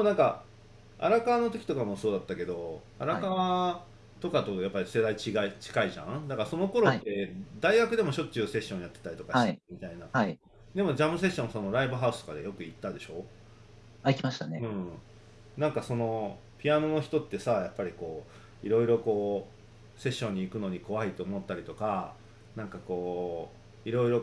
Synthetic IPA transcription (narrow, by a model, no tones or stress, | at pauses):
onãŋka | a̰ɾakaβanot̪o̞kʲt̪o̞kamo̞so̞ːd̪at̪ːake̞d̪o̞ | aɾakaβa | t̪o̞kat̪o̞japːaɾʲise̞d̪ait͡ɕiɡait͡ɕi̥kaiʑã̰ɴd̪akaɾso̞no̞ko̞ɾo̞t̪ːe̞d̪aiɡakɯ̟d̪e̞mo̞ɕo̞tt͡ɕːɨːse̞ɕːõ̞ɰ̃jat̪ːe̞t̪aɾʲit̪o̞kaemʲit̪aina | d̪e̞mo̞d͡ʑamɯ̟s̬e̞ɕːõ̞ñso̞no̞ɾaibɯ̟ɦaɯ̟sɨ̥t̪okad̪ejo̞kɯ̟it̪ːad̪e̞ɕo̞ː | aikʲimaɕi̥t̪aneɯ̟̃ɴ | nãŋkaso̞no̞ | pʲiano̞no̞çi̥t̪o̞t̪ːe̞sajapːaɾʲiko̞ː | ḭɾo̞iɾo̞ko̞ː | se̞ɕːõ̞ɲ̟ːiːkɯ̟no̞ɲ̟iko̞βait̪o̞ːmot̪ːaɾʲit̪o̞ka | nãŋkako̞ː | iɾo̞iɾo̞